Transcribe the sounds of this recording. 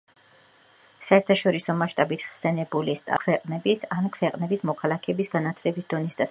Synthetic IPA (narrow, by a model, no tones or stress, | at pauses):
saɛɾt̪ʰaʃɔɾisɔmaʃt̪ʼabit̪ʰχsɛnɛbulist̪ʼa̰kʰwɛqʼnɛbisankʰwɛqʼnɛbismɔkʰalˠakʰɛbisɡanat̪ʰlɛbisd̪̥ɔnisd̪a